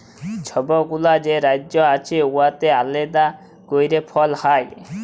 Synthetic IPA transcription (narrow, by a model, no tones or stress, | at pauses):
t͡ʃʰɔbɔɡulad͡ʒeɾajd͡ʒɔat͡ʃʰiuat̪ealed̪a | ɡ̥ojɾepʰɔlhaj